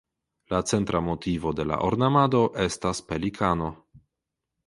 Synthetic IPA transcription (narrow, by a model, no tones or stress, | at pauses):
lat͡se̞ntɾʔamo̞tivo̞de̞la̰ʔoɾnamado̞ʔe̞staspe̞likʰano̞